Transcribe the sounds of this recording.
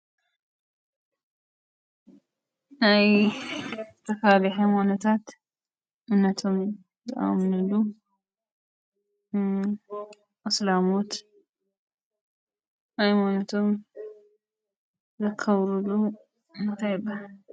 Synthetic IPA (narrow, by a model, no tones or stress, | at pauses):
naj | zɨt̪ʰɐfliħɐmonɐt̪ʰat̪ | ʔɨnːɐt̪ʰo̞m | zɨʔa̰mnɨlu | ʔɨslamot̪ | ʔajmonɐt̪ʰo̞m | zɐkʰːɐβɾulu | ɨnt̪ʰajɪbːahal